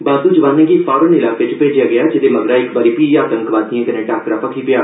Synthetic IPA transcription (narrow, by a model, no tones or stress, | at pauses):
baːd̪uːt͡ʃʋaːnːẽɡipʰɔːɾənɪlaːkʋɪt͡ʃpeːd͡ʒɪjaːɡɪjaːd͡ʒɪd̪eːməɡɾaːɪkbaːɾipiːaːt̪ə̃ŋkʋaːd̪ĩãːk̪ənẽːʈaːkɾaːpəkʰiːpɪjaː